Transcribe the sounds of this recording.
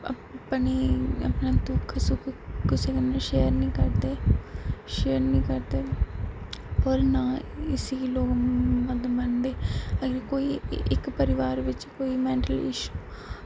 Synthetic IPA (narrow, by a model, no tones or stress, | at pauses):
pneːə̰pnãːt̪ukʰsʊkkɪseːkənãːʃeːəɾnĩːkəɾd̪eː | ʃeːəɾnĩːkəɾd̪eː | pɔːɾnãːɪsiːloːkmãːd̪mənd̪eːəɡəɾkoːiːɪkpəɾɪʋaːɾʋɪt͡ʃkoːiːmɛ̃ːɳʈəlɪ̰ʃuː